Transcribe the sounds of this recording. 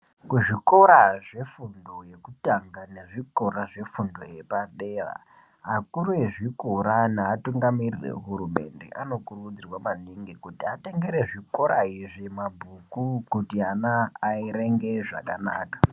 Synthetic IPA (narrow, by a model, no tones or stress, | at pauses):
kuʐiko̞ɾaʐe̞fundo̞je̞kutaŋɡane̞ʐiko̞ɾaʐe̞fundo̰je̞paɗera̰ | ɦakuɾueʐikoɾanaːtuŋɡamirirḛɦuɾume̞̰nde̞̰ʔano̞kurukud͡zirwamaniŋɡikutiate̞ŋɡe̞ɾeʐiko̞ɾaiʐimabʱukukutianaːiɾe̞ŋɡe̞ʐa̰kana̰ːkḁ